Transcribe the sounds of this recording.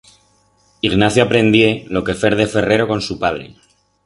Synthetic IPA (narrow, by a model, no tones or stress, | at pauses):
iɣnaθjoapɾẽ̞nd̪je̞lo̞ke̞fe̞ɾðe̞fe̞re̞ɾo̞ko̞nsupað̞ɾe̞̰